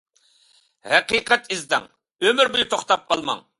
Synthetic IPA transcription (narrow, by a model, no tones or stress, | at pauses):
hɛqiqɛt̪ʰizd̪ɛ̰ŋ | ømɪɾbujut̪ʰoχt̪ɑp̚qʰɑlˠmɑ̰ŋ